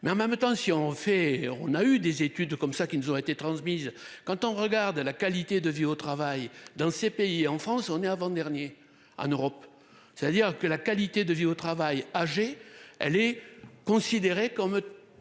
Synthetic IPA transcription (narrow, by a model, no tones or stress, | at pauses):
mɛɑ̃mɛmt̪ɑ̃siɔ̃fɛɔ̰̃nayd̪ezet̪yd̪kɔmsakʲinuzɔ̃et̪et̪χɑ̃smiz | kɑ̃t̪ɔ̃ʁəɡaʁd̪lakalit̪ed̪əviot̪χavajd̪ɑ̃sepeiɑ̃fχɑ̃sɔ̃nɛavɑ̃d̪ɛʁnje | ɑ̰̃nøʁɔp | sɛ̥t̪ad̪iʁkəlakalit̪ed̪əviot̪χavajaʒeɛ̰lɛkɔ̃sid̪eʁekɔm